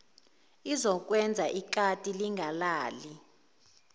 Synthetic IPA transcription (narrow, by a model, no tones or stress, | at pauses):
izɔk̬ʼwɛnd͡zʱaʔikatʼiliŋɡʱalaːli